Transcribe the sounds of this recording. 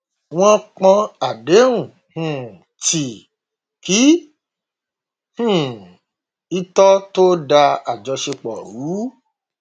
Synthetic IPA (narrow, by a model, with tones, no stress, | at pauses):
w̃ɔ̃˦k͡pɔ̃˧a˨de˨˦ũ˨ | hũ˨ | ti˨ | ki˨˦ | hũ˦˨ | i˦tɔ˦to˦da˧a˨d͡ʒɔ˧ʃe˧k͡pɔ̰˨ɾu˨˦